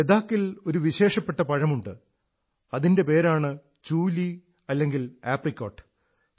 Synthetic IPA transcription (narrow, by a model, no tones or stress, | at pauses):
ed̪aːkːilo̞ɾuʋiɕe̞ːʂɐpːeʈːɐpɐɻɐmuɳɖɨ | ɐðinde̞pe̞ːɾaːɳɨ | t͡ɕuːli | ɐlːe̞ŋɡilaːprikʲːoːʈːɨ̥